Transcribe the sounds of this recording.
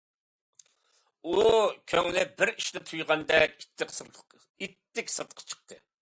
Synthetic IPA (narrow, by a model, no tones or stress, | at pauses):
ukʲʰøŋlɪbɪɾiʃnɪt̪ʰujʁɑnd̪ɛkʲ | it̪ːɪkʲsɨt̪qʰɑ̥t͡ʃʰə̥q̚t̪ʰɨ